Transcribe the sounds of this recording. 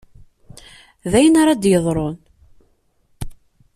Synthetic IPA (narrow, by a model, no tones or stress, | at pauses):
ðæjənaɾˤɑd̪jəðˤɾˤon